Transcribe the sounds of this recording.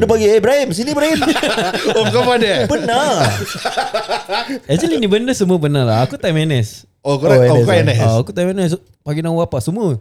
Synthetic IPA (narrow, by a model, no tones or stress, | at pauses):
dəpaɡiebəɾaimsinibɾaim | okapadəbəna | ɛsəlinibəndəsəmuəbənarla̰akut̪ajmɛnɛs | okoɾaɛoɛskɔɛnɛsoakut̪ajmɛnɛs | paɡinaapasəmuə